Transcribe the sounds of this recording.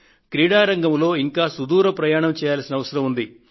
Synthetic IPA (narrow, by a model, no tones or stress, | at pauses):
kɾiːɽaːɾɐŋɡɐmlo̞ːiŋkaːsud̪uːɾɐpɾɐjaːɳɐmt͡ʃɛːjaːlsinɐʋɐsɐɾɐmund̪i